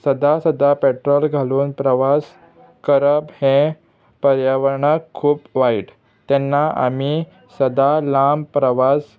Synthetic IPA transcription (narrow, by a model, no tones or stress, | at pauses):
səd̪asəd̪apeʈɾɔlɡʱaluːnpɾəʋas | kəɾəbhẽ | pəɾjaʋəɾɳakʰːuːpʋaiʈ | t̪ɛnːaa̰mi | səd̪alampɾəʋas